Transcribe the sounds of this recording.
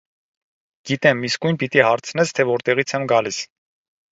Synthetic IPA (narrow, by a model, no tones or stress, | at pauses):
ɡ̥it̪ɛmːiskujnpit̪ihɑɾt͡sʰnɛst̪ʰɛvɔɾt̪ɛʁit͡sʰɛmɡɑlis